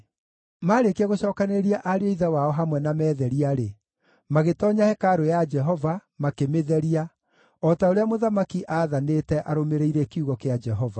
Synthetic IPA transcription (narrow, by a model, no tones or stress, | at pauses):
maːɾekeɛɣoɕɔːkaneɾiaʔaɾeoiðɛwaɔɦamwɛnamɛːðɛɾiaɾe | maɣetɔːɲahɛkaɾojad͡ʒɛɦɔvamakemeðɛɾia | ɔtaoɾeamoðamakiʔaðaneːtɛʔaɾomeɾeiɾɛkiuɣɔkead͡ʒɛɦɔva